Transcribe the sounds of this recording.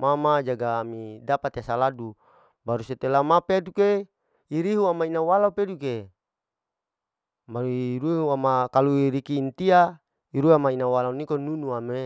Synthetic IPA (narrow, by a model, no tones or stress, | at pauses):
mamad͡ʒaɡaːmidapat̪easaladu | baɾuset̪elamapeduke | iɾiɦuamainawalaupeduke | maɾuɾuuamakaluiɾikiːnt̪ia | iɾuamainawalaunikonunuame